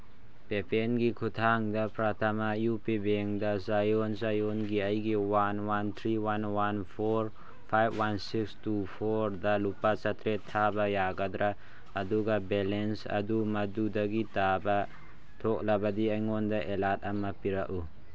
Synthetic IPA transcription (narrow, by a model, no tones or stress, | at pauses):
pɛpɛnɡikʰut̪ʰaŋdapɾat̪ʰamajupibɛŋd̪azajɔnzajɔnɡiajɡiwanwant̪ʰɾiwanwanpʰɔɾ | pʰajbwansikstupʰɔɾd̪alupasat̪ɾɛt̪ʰːabajaɡad̪ɾʔaː | d̪uɡabɛlɛnsa̰d̪umɐd̪ud̪aɡitaba | t̪ʰɔk̚labad̪iajŋɔnd̪aʔɛlat̪̚amapiɾaʔu